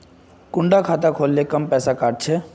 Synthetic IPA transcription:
kʊ̃ɳɖakʰaːt̪akʰoːlːekəmpɛːsakaːɖ̚t͡ʃʰeː

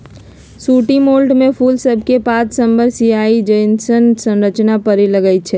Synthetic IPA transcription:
suːʈimoːlʈmẽpʰulsəbʱkepãt͡ʃsəmbəɾsiaid͡ʒəɪnsənsə̃nɾət͡ʃnapəɾeləɡət͡ʃʰɛ

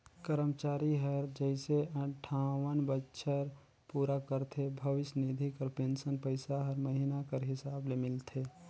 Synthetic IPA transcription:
kəɾəmt͡ʃaːɾiɦəɾd͡ʒəɪseə̃ʈʰawənbətːʃʰəɾ | puːɾakəɾt̪ʰebʱəʋɪsənid̪ʱikəɾpẽnsənpəɪsaɦəɾməɦinakəɾɦɪsaːblemɪlt̪ʰe

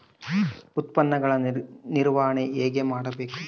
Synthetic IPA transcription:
ut̪pɐnːɐɡɐɭɐniɾʋaːɦɐɳeeːɡemaːɽɐbeːku

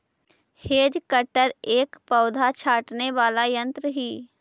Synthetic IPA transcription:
heːd͡ʒkəʈəɾeːkpəʊd̪ʱat͡ʃʰaːʈneʋaːlajə̃nt̪ɾəɦiː

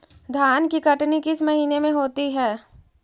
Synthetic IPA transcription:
d̪ʱjaːnkikɐʈnikɪsmɐɦiːnemẽɦoːt̪iɦɛː

